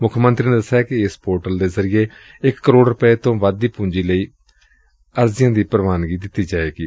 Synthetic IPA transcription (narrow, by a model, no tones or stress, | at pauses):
mʊkʰmə̃nt̪ɾiːneːd̪əsːaːkɪɪspoːɾʈəld̪eːzəɾɪjeː | ɪkːəɾoːɖɾəpeːt̪õːʋad̪ːiːpũːɲd͡ʒiːləiː | əɾzɪjãːd̪iːpɾʋaːnɡiːd̪ɪt̪ːiːd͡ʒaːeːɡiː